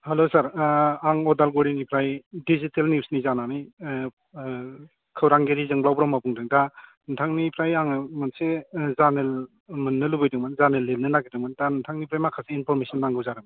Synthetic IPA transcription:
halosaɾaŋɔdalɡoɾinipʰɾajdizitelniuwsnizananij | kʰɯwɾaŋɡeɾizɯŋblawbɾɔmːabuŋdɯŋda | ntʰaŋnipʰɾajaŋmansezanel | mɯnːɯlubɯjdɯŋmanzanelːelnɯnaɡidɯŋmandantʰaŋnipʰɾajmakʰaseinpʰɔɾmesɔnːaŋɡɯwzaɾɯm

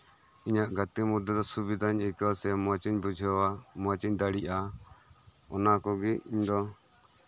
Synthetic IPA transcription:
iɲaʔɡat̪imud̪ʱːɔd̪ɔsubid̪ʱaɲɛkwasɛmat͡ʃiɲbud͡ʒʱwamat͡ʃiɲd̪aɽiʔa | ɔnakɔɡiiɲd̪ɔ

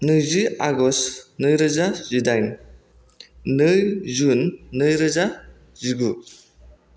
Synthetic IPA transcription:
nɯziaɡɔsnɯjɾɯzazidajn | nɯjzunːɯjɾɯza | ziɡu

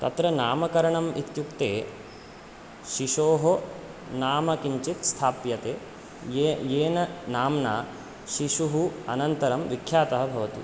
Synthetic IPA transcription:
t̪ɐ̰t̪ɾɐnaːmɐkɐɾɐɳɐmʔit̪jukt̪eː | ʃiʃoːɦo | naːmɐkiɲt͡ʃit̪st̪ʰaːpjɐt̪eː | jeːnɐnaːmnaː | ʃiʃuɦuɐ̰nɐnt̪ɐɾɐmʋikʰjaːt̪ɐɦɐ̆bʱɐʋɐt̪ṵ

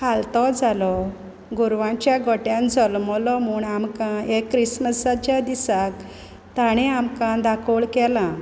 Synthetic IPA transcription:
kʰalt̪ɔd͡zalɔ | ɡuɾʋãt͡ɕjaɡɔʈjãnd͡zɔlmɔlɔm̤uːɳamkãekːɾisməsat͡ɕjad̪isak | t̪aɽ̃ɛamkãd̪akʰoɭkɛlã

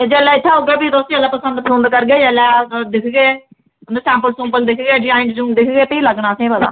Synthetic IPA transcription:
ed͡ʒɛːlɛːɪt̪ʰːaːɦoɡeːbiːd̪oːst̪ɛlːɛːpəsə̃nd̪pʰlõnd̪kəɾɡeːd͡ʒɛːlɛːd̪ɪkʰɡeː | nd̪esɛ̃ːmpəlsʊ̃mpəld̪ɪkʰɡeːɖɪd͡ʒaːɪɳʈd͡ʒũːd̪ɪkʰɡeːpəiːləɡɳaːsẽːbəla̰ː

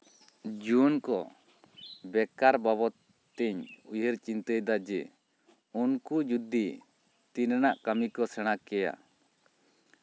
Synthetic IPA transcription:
d͡ʒunkɔ | bɛkaɾbaβɔt̪ː | ɛɲujəɾt͡ʃint̪əjd̪ad͡ʒɛ | unkud͡ʒud̪ʱi | t̪innaʔkamikɔsɛɽ̃akɛja̰

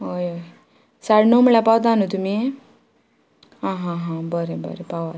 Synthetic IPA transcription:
ojoj | saɽnowmiɭapawt̪anut̪umi | ɦãɦãɦãbəɾebə̰ɾepawa

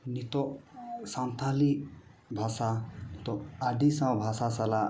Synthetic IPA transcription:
nit̪osant̪ʰali | bʱasat̪oaɖisãbʱasasala

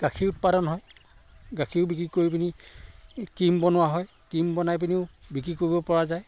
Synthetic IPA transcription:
ɡ̥akʰiʊt̚padɔnɦɔj | ɡakʰiʊbikɹikoɹip̬ini | kimbɔnʊwaɦɔj | kimbɔnajp̬iniʊbik̬ɹikoɹibɔpɔɹazaj

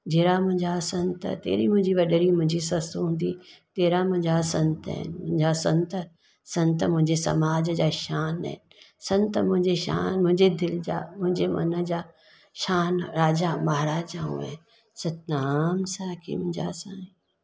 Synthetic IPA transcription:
d͡ʑeːɾamʊ̃ɦɪ̃ɲd͡ʑasɐ̃nt̪ə̰t̪ḛːɾimʊ̃ɦɪ̃ɲd͡ʑiʋɐɗəɾimʊ̃ɦɪ̃ɲd͡ʑisɐst̪uɦũːnd̪it̪eːɾamʊ̃ɦɪ̃ɲd͡ʑasɐ̃nt̪ɦɪ̰nmʊ̃ɦɪ̃ɲd͡ʑasɐ̃nt̪ə | sɐ̃nt̪əmʊ̃ɦɪ̃ɲd͡ʑesɐ̰maːd͡ʑd͡ʑaːʃaːn̰ɦn | sɐ̃nt̪əmʊ̃ɦɪ̃ɲd͡ʑeʃa̰ːnmʊ̃ɦɪ̃ɲd͡ʑed̪ɪld͡ʑa̰ːmʊ̃ɦɪ̃ɲd͡ʑemɐ̰nəd͡ʑaː | ʃaːnɾaːd͡ʑamɐɦɾaːd͡ʒaɦṵḛ | sɐt̪̚naːmsaːkʰḭmʊ̃ɪd͡ʑa̰sã

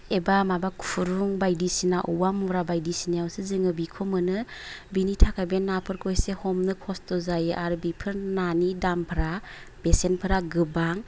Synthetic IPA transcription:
ebamabakʰuɾuŋbajdisinaʔuwamuɾabajdisinajawsizɯŋɯbikʰomɯnɯbinitʰakʰabenːapʰɯɾkʰojsehɔmnɯkʰɔstɔzajɯʔaɾbipʰɯɾnanidampʰɾa | b̥esenpʰɯɾaɡɯbaŋ

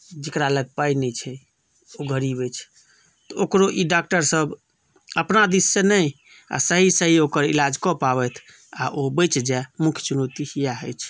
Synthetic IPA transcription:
d͡ʒekɾaləɡ̚painɛt͡ʃʰɛ | oɡʱəɾibɛt͡ʃʰ | t̪ɔokɾoʔiɖak̚ʈəɾsəb | əpnad̪isːenəj | a̰səɦisəɦiokəɾḭlad͡ʒkɔpabɛt̪ʰ | aʔobəjt͡ʃd͡ʒɛmukʰjt͡ʃunot̪ihijaɦəjt͡ʃʰ

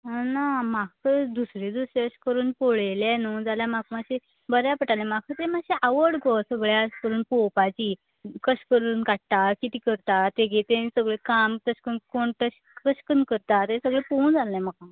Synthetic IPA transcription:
namakəd̪usɾed̪useɕkəɾuːnpoɭelenud͡zaljamakmaɕe | bəɾjapəʈalɛ̃mak̚kət̪emaɕeʔəʋəɽɡɔsəɡɭjaɕkəɾuːnpopat͡ɕiː | kəɕkəɾuːnkaʈt̪akit̪iːkəɾt̪at̪eɡʱet̪esəɡɭekamkəɕkənkoɳʈ̪əɕ | kəɕkənkəɾt̪at̪esəɡɭepownd͡zalːɛ̃məka

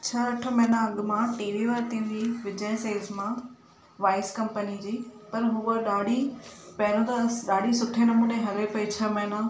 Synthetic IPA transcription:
t͡ɕʰaɾɐʈʰəmɐɦnãɐɠmãʈiːʋiʋaɾt̪ʰĩːnd̪iːʋɪd͡ʑəjseːlzmã | ʋaːɪskɐ̃mpənid͡ʑiːpɐɾɦʊʋəɗaːɖipɐɦɾõt̪ɐɗaːɖisʊʈʰenɐmuːneɦɐɾepɐit͡ɕʰɐmɐɦna

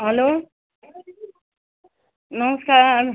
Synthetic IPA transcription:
ɦəloː | nʌməskaːɾ

